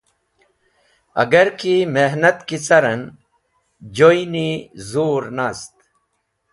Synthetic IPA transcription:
ɐ̰ɡɐɾkimeɦnɐt̪kit͡sɐɾɐn | d͡ʑojinizuːɾnaːst̪

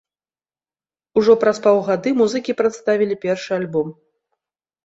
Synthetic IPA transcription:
uʐɔpɾaspawɣad̪ɨmuzɨkʲipɾat̪st̪avʲilʲipʲɛrʂɨalʲbɔm

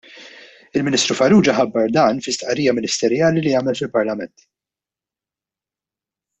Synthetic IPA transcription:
ɪlmɪnist̪ɾufɐɾuːd͡ʒɐħɐbːɐɾd̪ɐːnfɪst̪ʔɐɾiːjɐmɪnɪst̪ɛɾjɐːliliɐːmɛlfɪlpɐɾlɐmɛnt̪

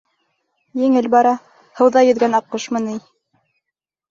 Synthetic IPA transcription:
jɘ̆ŋɘlbɑɾɑ | hɤ̆wðɑjɘ̆ðɡænɑqːɤʃmɤ̆nij

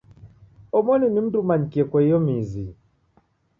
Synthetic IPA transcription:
ɔmɔninim̩dumaɲ̩kiɛkwɛjɔmizḭ

